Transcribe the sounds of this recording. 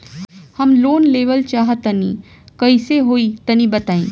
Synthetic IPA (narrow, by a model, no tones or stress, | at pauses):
hɐmloːnleːʋəlt͡ʃaːɦət̪ɐnḭ̃ː | kɐiseɦoːit̪ɐnĩbɐt̪aːĩː